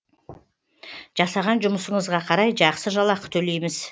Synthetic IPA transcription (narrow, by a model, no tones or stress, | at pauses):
ʒ̥ɑsɑʁɑnʒʊməsəɴəzʁɑqʰɑɾɑjʒɑqsəʒɑlˠɑqə̥t̪ʰɵle̞jmɪz